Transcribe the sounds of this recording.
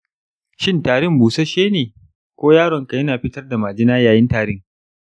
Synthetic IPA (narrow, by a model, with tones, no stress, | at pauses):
ʃɪ˦ntaː˨ɽɪ˦˨mbuː˨sa˦ʃeː˦neː˨ | kʷoː˦jaː˦ɾɔ˨ŋka˨jɐ˦naː˨ɸɪ˦tɐ˦rda˨maː˨d͡ʒɪ˦naː˦jaː˨jɪ˦ntaː˨ɾɪ˦ŋ